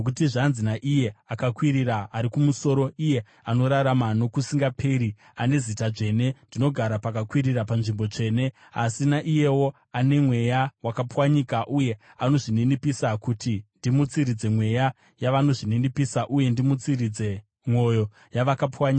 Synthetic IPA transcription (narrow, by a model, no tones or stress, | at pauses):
nok̬utiʐanzinaʔije̞akakwiɾiɾaːɾikumuso̞ːɾo̞ije̞ | ano̞ɾaɾamano̞kusiŋɡapʰe̞ɾi | ane̞zitaʐe̞ne̞ndino̞ɡʱaɾapakakwiɾirapanʐimbo̞t͡ʂe̞ːne̞ | asinaʔije̞wo̞ | ane̞mwe̞jawakapwaɲikaʔuje̞ | ano̞ʐininipisakutindimut͡siɾid͡ze̞mwe̞ja | jaʋano̞ʐininipisaʔuje̞ndimut͡sirid͡ze̞ | mwo̞jo̞ | jaʋakapwaɲika